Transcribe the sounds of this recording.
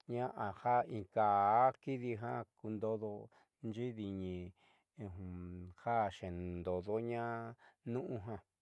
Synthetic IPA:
ɲã˦ʔa˨ha˦ĩ˨˧ka˨˦ki˦ði˧ɦã˦ku˧nd̪o˧ðo˧ | nd͡ʒi˦ði˧ɲĩ˧˨˧ | ha˦˨ʃẽ˨nd̪o˨ðo˦ɲã˦nũ˦ʔũ˧ɦã˧

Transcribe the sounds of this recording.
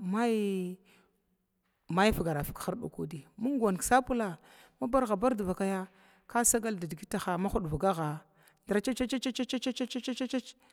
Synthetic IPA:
ma˦j | ma˦jfɡa˨ɾa˨fi˨kxa˦ɾɗo̰˨kṵ˦di˨mu˦ŋ˦ɡʷa˨nksa˦pu˦la˨ | ma˦ba˦ɾɣa˨ba˦ɾdu˨va˨ka˦ja˦ | ka˦sa˦ɡa˦lda˨di˨ɡi˦ta˨xa˨ma˦xu˦ɗvu˨ɡa˦ɣa˨ | dɾa˨t͡ʃa˦t͡ʃa˦t͡ʃa˦t͡ʃa˦t͡ʃa˦t͡ʃa˦t͡ʃa˦t͡ʃa˦t͡ʃa˦t͡ʃt͡ʃa˦t͡ʃa˦t͡ʃ

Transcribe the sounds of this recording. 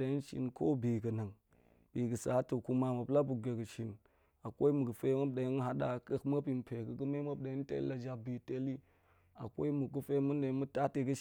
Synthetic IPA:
a˨ji˦n˦ʃḭ˨nko˦bi˨ɡɨ˨na˨ŋ | b̥i˨ɡə˨sa˨˦tu˨ku˦ma˨mu˨pla˦bu˨ɡe˨ɡɨ˨ʃi˨n | a˨kʷo˦i˦mu˨ɡɨ˨fe˦ma˦p̚ɗa˨ji˦n˦ɦa˦ɗa˨kə˨kma˦pi˨m˨pe˨kɨ˨ɡɨ˦me˦ma˦p̚ɗa˨ji˦n˦tḛ˦la˨d͡ʒa˨bi˨te˦li˦ | a˨ko̰˦i˦mu˨ɡu˦fe˦mu˦nda˨˦mu˦ta˦te˨ɡɨ˦ʃ

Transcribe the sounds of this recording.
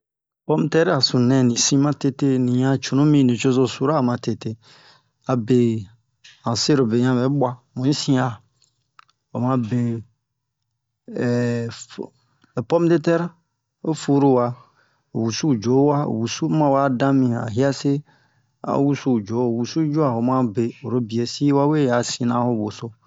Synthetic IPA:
pɔ˦m˦tɛ˦ɾa˨sũ˨nɛ̃˨nĩ˨sĩ˦mã˦te˦te˦nĩ˨ɲã˨t͡ʃo˨nõ˦mĩ˦˨nĩ˨t͡ʃo˦zo˦˨su˦ɾa˦˨mã˨te˨te˦ | a˨be˨ | ã˨se˦ɾo˨be˨ɲ˦ã˨bɛ˨˦ɓwa˦mũ˨˦ĩ˦sĩ˦a˨ | o˨mã˧be˨ | e˨pɔ˦m˦de˦tɛ˦ɾ | o˦fu˦ɾo˦wa˨ | o̰˨wu˨su˦˨d͡ʒo˨˦wa˦o̰˨wu˨su˦mã˦wa˦dã˦mĩ˨a̰˨ɦi˦a˦se˦ | a̰˨˦wu˦su˦˨d͡ʒo˨˦˨wu˨su˦d͡ʒo˦a˨wo˨mã˦be˨o˨ɾo˦bi˨e˨si˦wa˦we˦ja˨sĩ˨nã˦ho˦bo˨so˦

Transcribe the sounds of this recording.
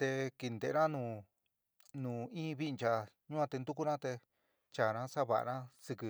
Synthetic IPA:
t̪e˧ki˧nd̪ḛ˨˧ã˦nũː˧˨ | nũː˨ĩː˦βi˦˧nt͡ʃa˧ɲũ˦ã˧t̪e˧nd̪u˦ku˦ɾã˦t̪e˧ | t͡ʃa˨ɾã˦sa˦βa̰˨ʔɾã˦sɨ˧kɨ˧

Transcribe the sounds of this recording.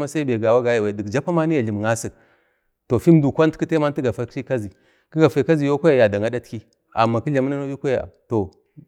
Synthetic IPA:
ma˦sa˦i˦be˨ɡa˨wa˦ɡa˨ja˨wa˨di˨kd͡ʒa˦pa˦ma˦ni˦ja˨ɮi˨m˨ŋa˦si˨k | to˨fi˦m˦du˨kʷa˦n˦ki˦te˦ma˦n˦ti˦ɡa˨fa˦i˦ka˦zi˨ | ki˦ɡa˨fa˨˦ka˦zi˨jo˦kʷa˦ja˨ja˨da˨ŋa˦da˦tki˦ | a˨mːa˨ki˦ɮa˨m˦na˦na˦ju˦kʷa˦ja̰˨to˨

